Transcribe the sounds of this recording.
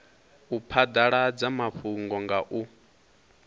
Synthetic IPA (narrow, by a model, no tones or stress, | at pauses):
upʰad̪aɺad͡zamaɸuŋɡɔŋɡaʔu